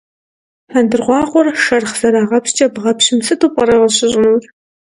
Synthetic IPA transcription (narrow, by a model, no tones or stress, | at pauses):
ħandɨrʁʷɑːqʷʊrʃɐrχz̥ɐɾaːʁɐpɕt͡ʃʼɐbʁɐpɕɪmsɨtʰuːpʼɐɾɐʁəɕɪɕʼnuːr